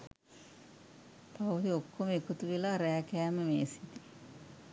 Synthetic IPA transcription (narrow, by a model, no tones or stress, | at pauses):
pawud̪iokːoməekut̪uʋilaːɾæːkæːməmeːsit̪i̥